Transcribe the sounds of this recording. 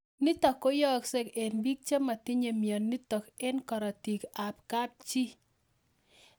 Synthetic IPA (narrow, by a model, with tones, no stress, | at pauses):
nɪ˦t̪ɔ˨ko˦jɔ˦kse˦ke˨nbi˦k̚t͡ʃe˦ma˨t̪ɪ˦ɲe˨mjɔ˨nːi˦t̪ɔ˨kɛ˦nkɔ˨ɾɔ˨ti˨ka˨pka˦p̚t͡ʃi˦